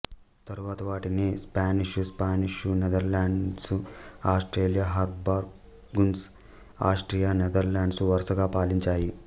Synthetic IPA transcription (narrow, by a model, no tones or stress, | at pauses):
t̪ɐɾuʋaːt̪ɐʋaːʈinispaːniʂuspaːniʂunɛd̪ɐɾlaːɳɖɖsuaːsʈɾeːlijaːɦɐɾbaːɾ | ɡuns | aːsʈɾijaːnɛd̪ɐɾlaːɳɖsuʋɐɾsɐɡaːpaːliɲt͡ʃaːji